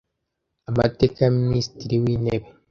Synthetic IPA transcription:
amate̞ːkajaminisi̥tiɾiwiːne̞βe

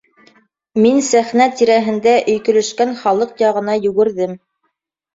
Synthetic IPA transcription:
minsæχnæt̪iɾæɦɘ̆nd̪æʔɵ̆jkɵ̆lɵ̆ʃkænχɑlˠɤqjɑʁɤ̆nɑjɵ̆ɡɘ̆ɾðɘm

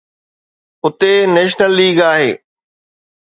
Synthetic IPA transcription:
ʊt̪eneːʃnəlːiːɡaːɦeː

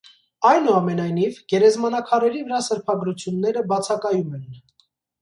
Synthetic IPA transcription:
ɑjnuɑmɛnɑjnivɡɛɾɛzmɑnɑkʰɑɾɛɾivəɾɑsəɾpʰɑɡɾut͡sʰjunːɛɾəbɑt͡sʰɑkɑjumɛn

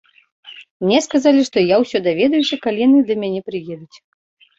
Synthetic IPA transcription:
mnʲɛskazalʲiʂt̪ɔjawsʲɔd̪avʲɛd̪ɐjusʲɐkalʲijanɨd̪ɐmʲanʲɛpɾɨjɛd̪ut͡sʲ

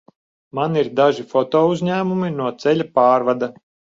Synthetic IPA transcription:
maniɾd̪aʒifɔt̪ɔːuzʲɲʲæːmuminuɔt̪sɛlʲapaːɾvad̪a

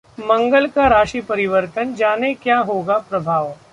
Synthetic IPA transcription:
mɐ̃ŋɡəlkaɾaːʃipɐɾɪʋəɾt̪ənd͡ʒaːnekjaːɦoːɡapɾɐbʱaːʋ

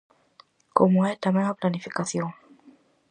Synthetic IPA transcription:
komuaɛtamaaplanifikaθiɔn

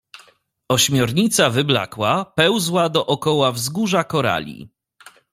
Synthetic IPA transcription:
ɔɕmʲjɔɾɲit̪savɘbla̰kwapɛwzwad̪ɔʔɔkɔwavzɡuʐakɔɾa̰lʲḭ

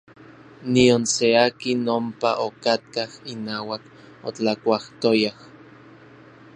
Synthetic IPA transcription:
nionseakinompaʔokat̪̚kahinaːwak | o̰t͡ɬakʷaht̪ojah

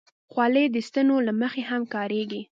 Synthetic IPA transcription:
xwɑled̪əst̪ənolaməxeɦamkɑɾeɡi

